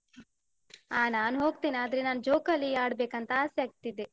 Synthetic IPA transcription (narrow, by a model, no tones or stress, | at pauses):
aːnaːnɦo̞ːɡt̪eːnaːd̪ɐɾenaːnd͡ʒoːkɐlːiaːɽbeːkɐnt̪ɐaːsjɐɡ̚t̪id̪e